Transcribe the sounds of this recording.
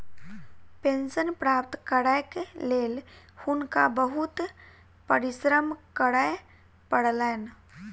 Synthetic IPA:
pẽnsənpɾapt̪kəɾajkleːl | hʊnkabəɦut̪ | pəɾisɾəmkəɽaj | pəɽlɛn

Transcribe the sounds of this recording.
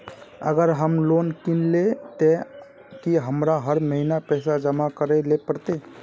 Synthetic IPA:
ə̰ɡəɾɦəmlonkinlet̪e | kiɦəmɾaɦəɾməɦinapɛjsad͡ʒəmakəɾelepəɾt̪e

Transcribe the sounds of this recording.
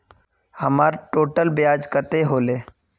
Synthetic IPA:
həmaːɾʈoːʈəlbjaːd͡ʒkət̪eɦoːleː

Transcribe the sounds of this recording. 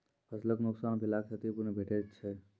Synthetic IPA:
pʰəsləknuksaːnbʱilaksʰat̪ipunebʱeʈʰett͡ʃʰɛ

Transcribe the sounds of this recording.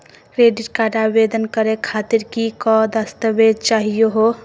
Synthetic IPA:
kɾeɖiʈkaɾabed̪ənkəɾekʰat̪iɾkikɔd̪əst̪əbed̪̚t͡ʃaɦijoɦo

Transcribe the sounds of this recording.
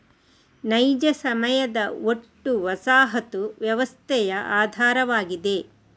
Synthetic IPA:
nɐjd͡ʒɐsɐmɐjɐd̪ɐoʈːuʋɐsaːɦɐt̪uʋjɐʋɐst̪ʰɛjɐʔaːd̪ʱaːɾɐʋaːɡid̪e̞

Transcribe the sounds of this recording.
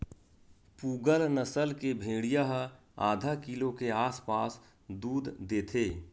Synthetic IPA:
puːɡəlnəsəlkebʱẽːɽijaɦ | a̰ːd̪ʱakilokeaːspaːs | d̪uːd̪d̪eːt̪ʰeː

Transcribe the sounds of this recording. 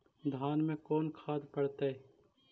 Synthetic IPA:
d̪ʱaːnmẽkoːnkʰaːd̪pəɽt̪aɛ

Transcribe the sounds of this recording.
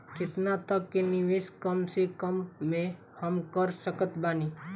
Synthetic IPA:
kɪt̪nat̪əkːenɪʋeskəmsekəmːẽ | həmkəɾsəkət̪baːniː

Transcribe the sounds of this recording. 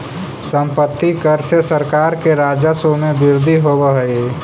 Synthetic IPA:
sə̃mpət̪ːikəɾsesəɾkaːɾkeɾaːd͡ʒəsomebɪɾd̪ʱiɦobəɦi

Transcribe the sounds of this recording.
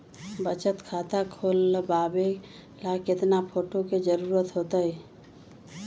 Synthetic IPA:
bət͡ʃət̪kʰaːt̪akʰoːlbaːbe | lakɪt̪napʰoːʈoked͡ʒəɾuːɾət̪ɦoːt̪əɛ

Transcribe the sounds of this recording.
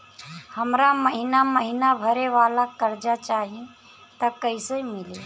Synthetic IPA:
həmɾaməɦinaməɦinabʱəɾeʋaːlakəɾd͡ʒat͡ʃaːɦi | t̪əkəɪseimɪli

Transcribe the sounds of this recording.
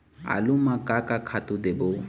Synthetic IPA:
a̰lʊmakakakʰat̪ʊd̪ebʊ

